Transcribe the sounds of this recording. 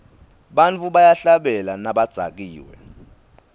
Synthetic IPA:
ɓant͡fʰuɓajaɬaɓɛlanaɓad̥z̥ʱa̰k̬iːwɛ̰

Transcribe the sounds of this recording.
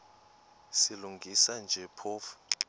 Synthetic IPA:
siluŋɡʱisand͡ʒʱɛpʰoːfu̥

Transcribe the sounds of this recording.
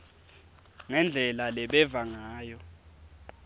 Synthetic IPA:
ŋɛnd͡ɮʱɛlalɛɓɛvaŋaːjɔ

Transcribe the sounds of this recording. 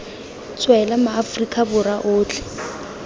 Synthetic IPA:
t͡sʼwɛlamaːfrikʼabʊraʔʊːt͡ɬʰʼɛ̥

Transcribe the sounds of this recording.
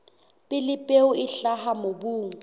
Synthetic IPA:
pʼɪlɪpʼeuɪɬahamobuːŋ̩

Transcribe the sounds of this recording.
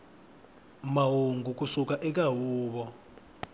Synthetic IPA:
maɦuŋɡʱuk̬ʼusukaʔɛk̬aɦuːɓɔ

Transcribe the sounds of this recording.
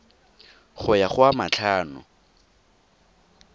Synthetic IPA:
χʊjaχʊamat͡ɬʰaːnʊ̰

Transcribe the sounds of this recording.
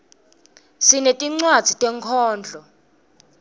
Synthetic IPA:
sinetʼiŋ͡ǀwad̥z̥ʱitʼɛŋkʰɔːnd͡ɮʱɔ

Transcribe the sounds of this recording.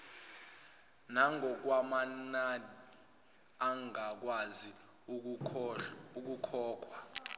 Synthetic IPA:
naŋʱɔk̬wamanani | aŋak̬wazi | uk̬ukʰɔːk̬ʰʼwa

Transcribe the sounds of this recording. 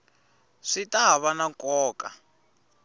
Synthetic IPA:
ʂitaɦaβanakɔːka̰

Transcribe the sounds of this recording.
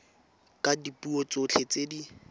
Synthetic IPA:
kʼadipʼuot͡sot͡ɬʰet͡sedi

